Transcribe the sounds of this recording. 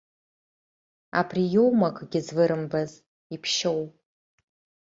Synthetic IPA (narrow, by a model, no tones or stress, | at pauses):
a̰pʰrijowmakʰʼɡʲɪzvɨɾɨmbaz | ipʰʃowpʼ